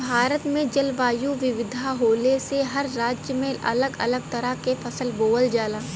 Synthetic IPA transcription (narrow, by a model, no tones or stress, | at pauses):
bʱaːɾət̪mẽd͡ʒɐlʋaːjuʋɪʋɪd̪ʱaɦoːleseɦɐɾːaːd͡ʒjəmẽʔɐ̰ləɡɐ̰ləɡ̚t̪ɐɾəɦkefʰɐsəlboːəld͡ʒaːlaː